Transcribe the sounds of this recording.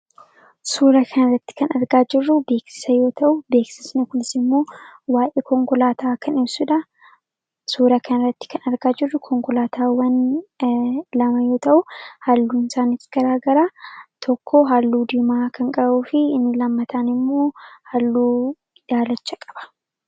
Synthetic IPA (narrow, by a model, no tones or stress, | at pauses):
suːɾɐkʰɐnɐrːɐt̪ːɪ̥kɐnɐɾɡaːd͡ʒɪrːʊbe̞ːksɪ̥sɐjo̞ːt̪ɐʔʊbe̞ːksɪsnɛkʊnɪsɪmːo̞ːwaːʔeːkɔŋkɔlaːt̪ʰaːkʰɐnɪbsʊᶑɐ | suːɾɐkɐnɐrːɐt̪ːɪ̥kɐnɐɾɡaːd͡ʒɪrːʊkʰɔŋkɔlaːt̪ʰaːwɐn | lɐmɐjo̞ːt̪ɐʔʊhalːuːɪnsaːnɪsɡ̥ɐɾaːɡɐɾaːt̪ʰɔkʰːoɦalːuːd̪iːmaːkʰɐŋkʼɐbuːfɪɪnːɪlɐmːɐt̪ʰanɪmːo̞ːhalːuː | daːlɐt͡ʃːɐkʼɐ̥b̥ɐ̥